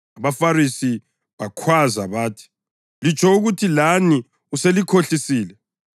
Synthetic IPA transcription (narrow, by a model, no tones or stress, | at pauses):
aβafarisi | βakʰwazaβaːtʰi̥ | lit͡ʃʰʼɔuɣutʰilani | uselikʰoɬisiːlɛ